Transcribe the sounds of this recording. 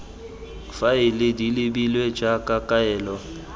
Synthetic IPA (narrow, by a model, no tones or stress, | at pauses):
faɪlɪdilɪbilwed͡ʒakʼakʼaɛːlɔ